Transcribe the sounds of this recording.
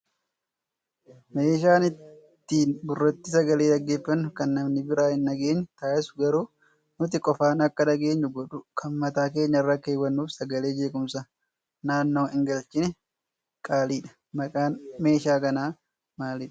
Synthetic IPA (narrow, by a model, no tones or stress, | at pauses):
meːʃaːnɪt̪ː | iːnbʊrːɐt̪ːɪsɐɡɐleːd̪ɐɡːe̞ːfːɐnːʊkɐnːɐmnɪbɪɾaːhɪnːɐɡe̞ːɲːʊt̪aːʔɛsʊɡɐɾuː | nʊt̪̬ɪkʼɔfaːnɐkːɐnɐɡe̞ːɲːʊɡɔᶑʊkʰɐnmɐt̪aːk̬e̞ːɲːɐɪrːɐkeːwːɐnːuːfsɐɡɐle̞ːd͡ʒe̞ːkʊmsaː | naːnːo̞ːɪŋɡɐlt͡ʃɪnɛ | kʼaːliːᶑɐ̥ | ɐkʼaːnme̞ːʃaːkɐnaː | maːlɪᶑɐ̥